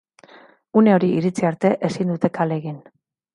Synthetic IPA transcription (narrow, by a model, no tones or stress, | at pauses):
une̞o̞ɾiiɾit͡siaɾt̪e̞ʔesind̪ut̪e̞kale̞ɣin